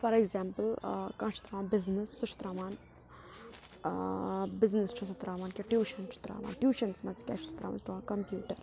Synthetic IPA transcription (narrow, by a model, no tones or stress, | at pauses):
fɐɾeɡzaːmpəlkãːt͡ʃʰi̥t̪ɾaːʋaːnbɪznesːut͡ʃʰu̥t̪ɾaːʋaːn | bɪznest͡ʃʰusɐt̪ɾaːʋaːnkʲeʈjuːʃɐnt͡ʃʰu̥t̪ɾa̰ːʋa̰ːnʈjuːʃɐnsmɐzkʲɛ̰ːt͡ʃʰusɐ̥t̪ɾa̰ːʋa̰nsʈɾʋaːnkɐmpjuːʈɐɾ